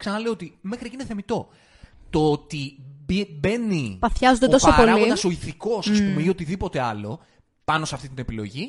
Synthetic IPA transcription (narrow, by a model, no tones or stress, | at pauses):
ksɐnɐle̞oot̪ime̞xɾiecineθemit̪o̞ | t̪oot̪ibibe̞nipɐfçɐzod̪et̪osoɐpolinɐso̞iθiko̞sɐspumeio̞t̪iðipo̞t̪e̞ɐlo̞̰ | pɐno̞sɐft̪it̪ine̞pilo̞̰ʝi